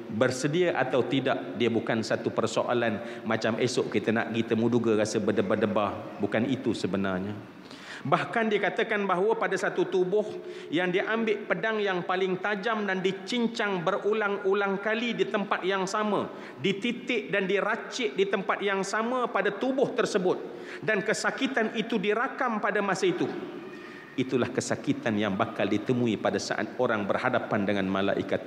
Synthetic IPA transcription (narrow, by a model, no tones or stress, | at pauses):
bərsədiaʔa̰t̪awt̪ida̰ʔ̚diəbukansat̪upərsoʔa̰lanmat͡ʃamesʊʔkit̪əna̰ʔɡit̪əmuduɡaɾasəbədəbadəbahbukanit̪usəbəna̰rɲa | bahkandiəkat̪əkanbaɦwəpadasat̪ut̪ubʊh | jaŋdiaʔambɪʔpədaŋjaŋpalɪŋt̪ad͡ʒamdandit͡ʃiɲt͡ʃaŋbərulaŋulaŋkalidit̪əmpat̪̚jaŋsama | dit̪it̪ɪʔdandiɾat͡ʃɪʔdit̪əmpat̪̚jaŋsamapadat̪ubʊht̪ərsəbʊt̪̚ | dankəsakit̪anit̪udiɾakampadamasait̪u | it̪ulahkəsakit̪anjaŋbakaldit̪əmuipadasa̰ʔa̰t̪̚oɾaŋbərhadapandəŋanma̰la̰ʔḭkat̪